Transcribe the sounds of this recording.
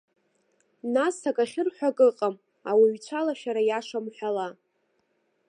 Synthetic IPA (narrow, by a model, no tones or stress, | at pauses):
nasʰakʼaχʲɪrħʷᶣakʼɨqʼam | awiɥt͡ɕʷʰalaʃaɾajaʂamħʷᶣala